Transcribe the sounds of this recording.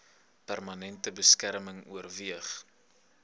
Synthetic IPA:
pærmɐnɛntəbəskæɾməŋṵərviəχ

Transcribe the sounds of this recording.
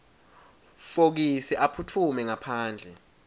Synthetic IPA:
fok̬isɛʔapʰutʰumɛŋapʰaːnd͡ɮʱɛ

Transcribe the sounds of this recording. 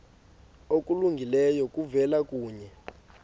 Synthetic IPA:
ok̬ʼuluŋɡʱilɛjɔk̬ʼuvɛlak̬ʼuːɲɛ

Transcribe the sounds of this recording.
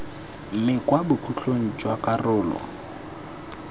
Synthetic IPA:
m̩mɪkʼwabʊkʰuɬon̩t͡ʃʼwakʼarʊːlɔ̰

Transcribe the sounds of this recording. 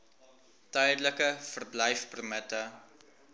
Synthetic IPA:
tœjdləkəfərblɛjfpərmətə

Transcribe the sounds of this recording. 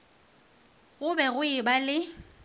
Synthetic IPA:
ɣʊbɛɣʊɪbalɪ

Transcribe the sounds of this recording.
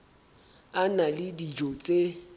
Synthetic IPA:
analɪdid͡ʒɔt͡sʼe

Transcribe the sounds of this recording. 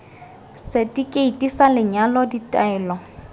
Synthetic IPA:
sɪtʼikʼeitʼisalɪɲalɔditʼaɛːlɔ

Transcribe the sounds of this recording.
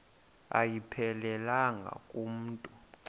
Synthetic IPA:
a̰jipʰɛlɛlaŋɡʱa̰kʼum̩ːtʼu

